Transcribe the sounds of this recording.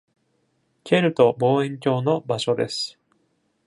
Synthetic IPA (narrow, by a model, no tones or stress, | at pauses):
kʲʰe̞ɾɯ̟t̪o̞bo̞ːẽ̞ŋkʲo̞ːno̞baɕo̞d̪e̞̰sɨ̥